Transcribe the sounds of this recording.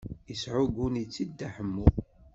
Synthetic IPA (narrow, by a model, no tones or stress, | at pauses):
iəsʕʊɡunit͡sːid̪ːaħəmːu